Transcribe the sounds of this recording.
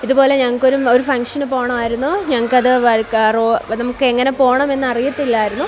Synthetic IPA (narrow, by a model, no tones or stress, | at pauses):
iðubo̞ːle̞ɲɐŋːɐɭkːo̞ɾumo̞ɾufɐŋkʂɐnɨpo̞ːɐɳɐmaːjiɾunːuɲɐŋːɐɭkːɐðɨʋɐkronɐmukːɨe̞ŋːɐnepo̞ːɐɳɐme̞nːɨɐrijɐt̪ːilːaːjiɾunːu